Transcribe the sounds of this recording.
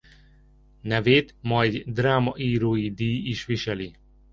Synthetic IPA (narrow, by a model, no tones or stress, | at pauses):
nɛveːt̪mɒjd̪d̪ɾaːmɒʔiːɾoːjid̪iːiʃʋiʃɛli